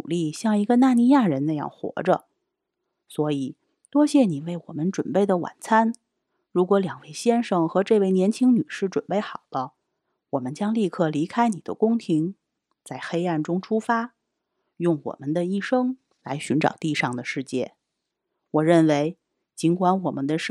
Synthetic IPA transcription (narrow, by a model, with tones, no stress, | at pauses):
u˨˩li˥˧ɕjɑ˥˩ŋi˧˥ɡə˧na˥˧ni˧˥ja˥˩ɻə˧˥nna˥˧jɑ̰˥˩ŋxwɔ̰˧˥ʈ͡ʂə̰˧ | swɔ˧˥i˨˩ | t̪wɔ˥ɕjɛ˥˩ni˨˩we˥˩ɪwɔ̰˨˩mə˦nʈ͡ʂwə˨˩npe˥˩ɪd̪ə˩wa̰˨˩nt͡sʰa˥n | ɻu˧˥kwɔ˧˥ljɑ˨˩ŋwe˥˩ɪɕjɛ˥nʂɤ˨˩ŋxɤ˧˥ʈ͡ʂɤ˥˧we˥˩ɪnjɛ˧˥nt͡ɕʰi˥ŋny˨˩ʂɻ̩˥˩ʈ͡ʂwə˨˩npe˥˩ɪxɑ˨˩ʊd̪ə˦ | wɔ˨˩mə˦nt͡ɕjɑ˥ŋli˥˧kʰɤ˥˩li˧˥kʰa˥ɪni˨˩d̪ə̰˦kʊ˥ŋt̪ʰi˧˥ŋ | t͡sa˥˩ɪxe˥ɪa˥˩nʈ͡ʂʊ˥ŋʈ͡ʂʰu˥fa˥ | jʊ˥˩ŋwɔ̰˨˩mə˦nd̪ə˧i˥˩ʂɤ˥ŋ | la̰˧˥ɪɕy˧˥nʈ͡ʂɑ̰˨˩ʊt̪i˥˧ʂɑ˥˩ŋd̪ə˩ʂɻ̩˥˧t͡ɕjɛ̰˥˩ | wɔ˨˩ɻə˥˩nwe˧˥ɪ | t͡ɕi˧˥nkwa˧˥nwɔ˨˩mə˦nd̪ə˧ʂ